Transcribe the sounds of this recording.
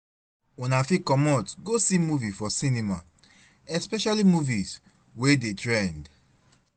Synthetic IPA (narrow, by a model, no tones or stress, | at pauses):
unafikɔmɔtɡosimuvifɔsinima | ɛspɛʃalimuviz | wedetɹɛ̃nd